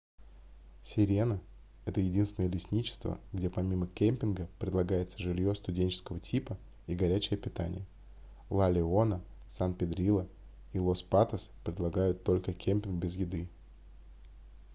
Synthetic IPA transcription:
sʲɪɾʲe̞nə | ɛt̪əjɪdʲinsʲɪnəjəlʲɪsʲnʲit͡ɕɪ̥st̪və̰ɡdʲepɐmʲiməkʲemʲpʲɪnɡəpɾʲɪd̪lˠɐɡajɪt̪səʐɨlʲjo̞st̪ʊdʲenʲt͡ɕɪ̥skəvətʲʰipə | iɡɐɾʲæt͡ɕɪjəpʲɪt̪a̰nʲɪjə | lˠalʲɪo̞nə | sanpʲɪd̪ɾʲilˠə | ilˠo̞spat̪əspɾʲɪd̪lˠɐɡajʊt̪ːo̞lʲkəkʲʰemʲpʲɪnɡbʲɪzjɪd̪ɨ

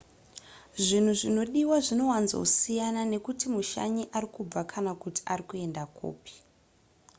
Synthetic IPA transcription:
ʐin̤uʐino̞ɗiwaʐino̞wanzo̰usijanane̞kutimuʃa̰ɲiʔaɾikub͡vakʰanakuti̥ʔaɾikue̞ndakṵːpi̥

